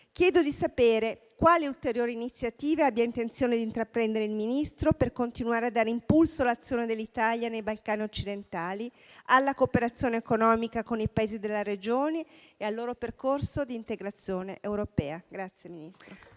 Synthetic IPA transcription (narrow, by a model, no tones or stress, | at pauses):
k̟jɛːd̪od̪isapeːɾe | kwaːliult̪eɾjoːɾiːnit̪sːjat̪iːveabːiaint̪ent̪sjoːned̪int̪ɾapɾɛnd̪eɾeilminist̪ɾoperkont̪inuaːɾead̪ːaːɾeimpulsoalat̪sːjoːned̪elːit̪aljanejbalkaːniot͡ʃːid̪ent̪aːli | alːakopeɾat̪sːjoːneekonɔːmikakonipaeːzid̪elːaɾed͡ʒoːneealːoːɾoperkorsod̪iːnt̪eɡɾat̪sːjoːneʔewɾopɛːaɡɾat̪sːjeminist̪ɾo